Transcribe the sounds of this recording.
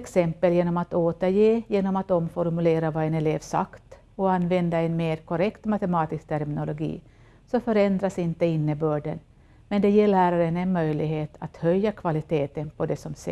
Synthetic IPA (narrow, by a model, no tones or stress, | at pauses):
ksɛmpəljeːnɔmat̪oːt̪əɾjeːjeːnɔmat̪ɔmfɔɾmʉleːɾavaɛnɛleːvsa̰kt̪ | ɔanːvɛnd̪aɛnmeːɾkʰɔɾɛkt̪mat̪ɛmɑːt̪ɪsk̚t̪ʰæɾmɪnʊlʊɡḭː | sɔfœɾɛnd̪ɾasɪnt̪əɪnːəbøːɖə̰n | mɛnd̪ɛjeːɭæːɾaɾənɛnmœjlɪɡɦeːt̪ʰat̪hœjːakʰvalɪt̪ʰeːt̪ənpʰɔd̪ɛsɔms